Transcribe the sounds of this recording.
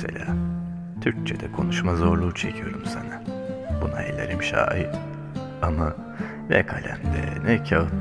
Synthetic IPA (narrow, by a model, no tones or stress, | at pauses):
se̞̰lʲaː | t̪ʰyɾc̚t͡ʃʰed̪ɛkʰo̞nuʃmazo̞ɾlˠuːt͡ʃʰe̞cʰijo̞ɾumsanabunaelʲeɾimʃaːi | ama | nɛ̰kʰalʲænd̪ɛ̰nɛcʰa